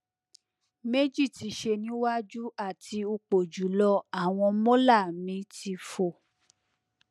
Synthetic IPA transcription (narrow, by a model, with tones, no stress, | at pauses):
me˦d͡ʒi˦˨ti˨˦ʃe˧nĩ˨˦wa˦d͡ʒu˦a˦˨tʰi˧u˧k͡po˨d͡ʒu˨˦lɔ˧a˦˨w̃ɔ̃˧mɔ̃˦la˦˨mĩ˨˦tʰi˧fo˧˨